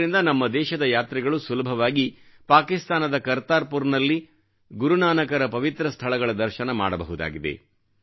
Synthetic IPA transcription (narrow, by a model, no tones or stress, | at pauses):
ɾind̪ɐnɐmːɐd̪ɛːʃɐd̪ɐjaːt̪ɾɛɡɐɭusulɐbʱɐʋaːɡi | paːkist̪aːnɐd̪ɐkɐɾt̪aːɾpuɾnɐlːi | ɡuɾunaːnɐkɐɾɐpɐʋit̪ɾɐst̪ʰɐɭɐɡɐɭɐd̪ɐɾʃɐnɐma̰ːɽɐbɐɦud̪a̰ːɡid̪ḛ